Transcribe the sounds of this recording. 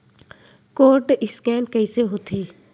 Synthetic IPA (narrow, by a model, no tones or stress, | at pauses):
koːɾʈɪskɛːnkəiseɦoːt̪ʰeː